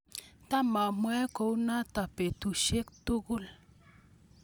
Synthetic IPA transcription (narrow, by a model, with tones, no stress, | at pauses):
t̪a˦ma˨mwa˦ko˦wna˦t̪a˨pe˨t̪u˨ʃe˦kt̪u˦ɡʊ˦l